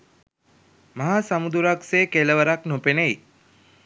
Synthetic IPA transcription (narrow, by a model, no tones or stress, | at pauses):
maɦasamud̪uɾakseːkeləʋəɾaknopenəj